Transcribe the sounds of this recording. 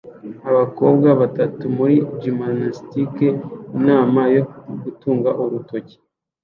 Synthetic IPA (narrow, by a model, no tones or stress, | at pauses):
aβako̞bɡaβatatumuɾid͡ʒimanastikeinaːmajoɡutuːŋɡaʔuɾuto̞ci̥